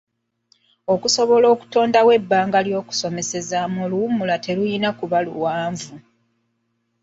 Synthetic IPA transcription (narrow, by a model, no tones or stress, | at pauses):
o̞kuso̞βo̞lo̞ːku̥to̞ːndawe̞bːaːŋɡaljo̞ːku̥so̞me̞se̞zamoluwumulate̞lujinakuβalṵwaːɱvu